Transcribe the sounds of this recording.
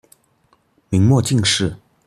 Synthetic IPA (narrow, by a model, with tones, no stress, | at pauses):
mi˧˥ŋmwɔ˥˧t͡ɕi˥˧ŋʂɻ̩˥˩